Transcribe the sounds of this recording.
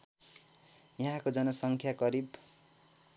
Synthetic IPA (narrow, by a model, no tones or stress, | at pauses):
jʌɦãkod͡zʌnʌsʌŋkʰjakʌɾib